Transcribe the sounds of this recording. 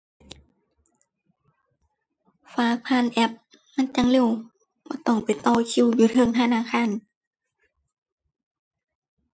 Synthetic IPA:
faː˧˦k̚pʰaː˧˥˨nʔɛ˧˦p̚ | ma˧˥˨nt͡ɕa˧˨ŋle˧˩˨w | b̥ɔː˧˩˦t̪ɔ˧˩ŋpa˨˩jt̪ɔː˧˩kʰi˧˥˨wjuː˧˩t̪ʰɤ˧˨ŋt̪ʰa˧˨naː˧˨kʰaː˧˥˨n

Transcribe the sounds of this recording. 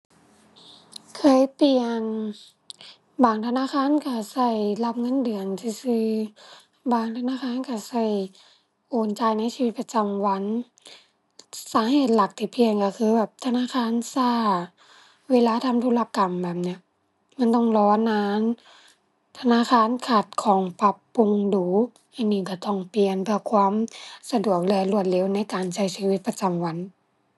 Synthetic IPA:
kʰɤː˧˥˨jpi˧ən | baː˨˩ŋt̪ʰa˧naː˧˥˨xʰaː˧˥˨nka˧˩sa˧˩jla˧˩p̚ŋɤ˧˥˨ndɯ˨˩ənsiː˧˦sɯː˧ | baː˨˩ŋt̪ʰa˧naː˧˥˨xʰaː˧˥˨nka˧˩sa˧˩j | ʔoː˨˩nt͡ɕa˧jna˧˥˨jsiː˧wi˧t̪̚pa˧t͡ɕa˧mwa˧˥˨n | saː˨˦heː˨˩t̪̚la˨˩k̚t̪ʰi˧˩˦pʰi˧əŋka˧˩kʰɯː˧bɛː˨˩p̚t̪ʰa˧naː˧˥˨xʰaː˧˥˨nsaː˧˩ | weː˧˨laː˧˥t̪ʰa˧˥˨mt̪ʰo˧la˧ka˨mbɛː˨˩p̚ni˧˥ɐ | ma˧˥˨nt̪ɔ˧˩ŋlɔː˧˥naː˧˥n | t̪ʰa˧naː˧˥˨xaː˧˥˨nkʰa˧˩t̪̚kʰɔː˨˦ŋpa˧pːu˧ŋduː˨˦ | ʔa˧˩niː˧˩˨ka˧˩t̪ɔ˧˩ŋpi˨˧˩ənpʰɯ˧˩ɐkʰwaː˧˥˨msa˧du˨˩ək̚lɯ˧˨lu˧˩ət̪̚le˧˦˨wna˧˥˦jkaː˨nsa˧˩jsiː˧˦wi˧˦t̪̚pa˧t͡ɕa˨mwa˧˥n

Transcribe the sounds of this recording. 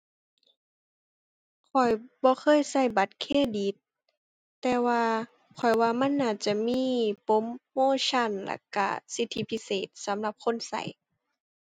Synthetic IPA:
kʰɔ˨˩jbɔː˧˦xʰɤː˧˥˨jsa˧˩jba˧˦t̪̚kʰeː˧˥˨di˨˧˦t̪̚ː | ɛː˧waː˧ | kʰɔ˨˩jwaː˧ma˧˥˨nːaː˧˩t͡ɕa˧˩miː˧˥˨po˧˦mːoː˧˥˨t͡ɕʰa˧˥˨nla̰˧˩ka̰˧˩si˧˦t̪ʰːi˧˦pʰi˧˥seː˨˩t̪̚sa˨˦mla˧˦p̚kʰo˧˥˨nsa̰˨˩˦j

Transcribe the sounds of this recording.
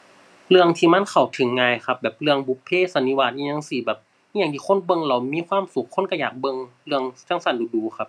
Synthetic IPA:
lɯ˧əŋt̪ʰiː˧ma˧˥˨nkʰa˨˩wt̪ʰɯ˨˦ŋːaː˧˨jxʰa˧˥p̚bɛː˨˩p̚lɯ˧əŋbu˧˦pʰːeː˧˥˨sa˧˦ni˧˦waː˧˩t̪̚ɲi˧ɲa˧˨ŋsi˧˩bɛː˨˩p̚ | i˧ɲa˧ŋd̪iː˧xʰo˧˥˨nbɤ˧˨ŋla˧˩wmiː˧˥˨kʰwaː˧˥˨msu˨˦kʰːo˧˥˨nka˧jaː˨˩k̚bɤ˧ŋlɯ˧əŋt͡ɕa˧˥˩ŋsa˧˩nduː˧˦duː˨˦xʰa˧˥p̚

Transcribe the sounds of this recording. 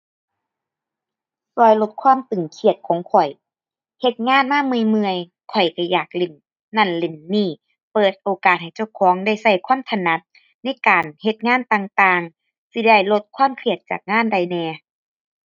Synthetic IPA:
sɔː˧˩jlo˧˦t̪̚kʰwaː˧˥˨mt̪ɯ˨˩ŋkʰi˧˩ət̪̚kʰɔː˨˦ŋkʰɔ˨˩j | he˧˦t̪̚ŋaː˧˥˨nmaː˥˨mɯ˧˨jmɯ˧əj | kʰɔ˨˩jka˧˩jaː˨˩k̚le˧˩nː | a˧˥˩nle˧˩nːiː˧˥˩ | pɤː˨˩t̪̚ʔoː˨˩kaː˨˩t̪̚ha˨˩jt͡ɕa˧˩wkʰɔː˨˦ŋda˧˩jsa˧˥˩jkʰwaː˧˥˨mt̪ʰa˧na˧˥t̪̚ | na˧˥˩jkaː˨nhe˧˦t̪̚ŋaː˥˨nt̪aː˧ŋt̪aː˧ŋ | si˧da˧˩jlo˧t̪̚kʰwaː˧˥˨mkʰi˧˩ət̪̚t͡ɕa̰ː˨˩k̚ŋaː˥˨nda˧˩jnɛː˧

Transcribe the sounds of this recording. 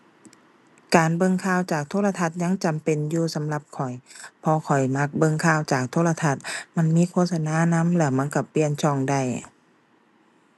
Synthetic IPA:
kaː˨nbɤ˧˥˨ŋkʰaː˧˩˨wt͡ɕaː˨˩k̚t̪ʰoː˧˥˨la˧t̪ʰa˧˩t̪̚ɲa˧˥˨ŋt͡ɕa˨mpe˨njuː˧sa˨˦mla˧˦p̚kʰɔ˨˩jpʰɔː˧kʰɔ˨˩jma˧˥˩k̚bɤ˧˨ŋkʰaː˧˩˨wt͡ɕaː˨˩k̚t̪ʰoː˧˥˨la˧t̪ʰa˧˩t̪̚ma˧˥˨nmiː˧˥˨kʰoː˧t̪̚sa˧naː˧˥˨na˧˥˨mlɛː˧˩ma˧˥˨nka˧˩pːi˧˨ənt͡ɕʰɔː˧˩ŋda˧˩j

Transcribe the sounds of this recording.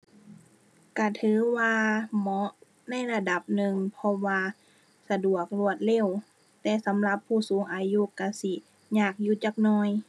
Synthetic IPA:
ka˧˩t̪ʰɯː˨˦waː˧mɔ˧˦ʔ | na˧˥˨jla˧da˨˦p̚nɯ˨˩ŋpʰɔ˧waː˧ | sa˧du˨˩ək̚lu˧˩ət̪̚le˧˥˨w | t̪ɛː˧sa˨˦mla˧˦pʰːuː˧˩suː˨˦ŋʔaː˧ju˧˨ka˧˩si˧˩ | ɲaː˧˩k̚juː˧˩t͡ɕa˧˦k̚nɔː˧˩j

